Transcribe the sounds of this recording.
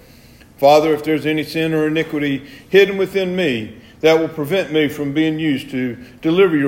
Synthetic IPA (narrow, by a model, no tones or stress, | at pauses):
fɑðə˞ɨfðə˞zɛnisɪ̃nə˞ɨnɪkwɨɾihɪdⁿn̩wɨθɪ̃nmi | ðɨt̚wəlˠpʰɹ̥ɨvɛ̃nmifɹʌ̃mbiɪ̃ŋjʉztʰɨd̥ɨlɪvə˞jə